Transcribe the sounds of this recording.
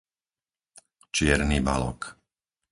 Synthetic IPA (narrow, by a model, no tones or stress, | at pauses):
t͡ʃɪɛɾniːba̰lɔ̰k